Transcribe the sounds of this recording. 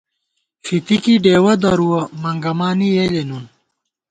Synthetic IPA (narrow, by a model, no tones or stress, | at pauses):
fit̪ikiɖeːwɐd̪ɐɾuwɐmɐŋɡɐmaːnijeːlenun